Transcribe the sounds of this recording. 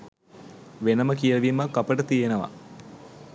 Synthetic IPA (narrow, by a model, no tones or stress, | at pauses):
ʋenəməkijəʋimɐkːɐpəʈət̪ijenəʋɐ̰